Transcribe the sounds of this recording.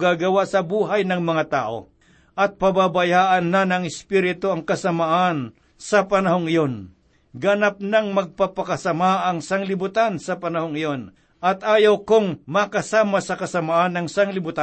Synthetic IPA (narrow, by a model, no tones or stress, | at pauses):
ɡaːɡɐwaʔsɐbuːɦajnɐŋmɐŋat̪a̰ːʔo̰ | ʔɐt̪̚pɐbabajaːʔɐnːanɐŋɪspiɾɪt̪oɐŋkɐsɐmaʔan | sɐpɐnɐhoŋɪjon | ɡɐnap̚nɐŋmɐɡ̚papɐkɐsɐmaʔɐŋsaŋlɪbʊt̪ansɐpɐnɐhoŋɪjon | ʔɐt̪ʔaːjawkʊŋmakɐsaːmasɐkɐsɐmaʔanɐŋsaŋlɪbʊt̪a